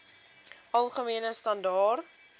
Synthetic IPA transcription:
ʔɐlˠχəmiənəstɐndɑːr

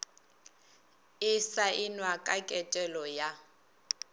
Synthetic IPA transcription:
ɪsaʔɪnwakʼakʼɛtʼɛlɔja

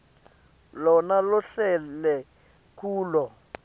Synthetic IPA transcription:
lɔnalɔɬɛlɛ | kʰuːlɔ

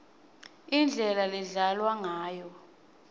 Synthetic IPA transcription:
ind͡ɮʱɛlalɛɮalwaŋaːjɔ

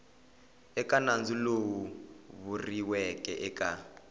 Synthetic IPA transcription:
ɛkʼanand͡zilowuβuriwɛkʼɛʔɛkʼa

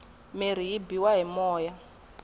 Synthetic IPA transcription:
meɾ̤ijibiwaɦimɔːja

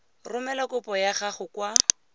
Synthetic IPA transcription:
rʊmɛlakʊpɔjaχaχʊkwa

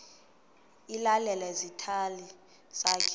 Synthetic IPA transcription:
ilalɛlɛzitʰali | z̥akʰ

